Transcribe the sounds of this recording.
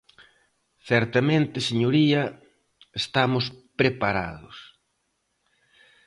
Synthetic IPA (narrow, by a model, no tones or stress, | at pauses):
θɛɾt̪amẽnt̪ɪseɲoɾiɐ | est̪amʊspɾepaɾa̰ðʊs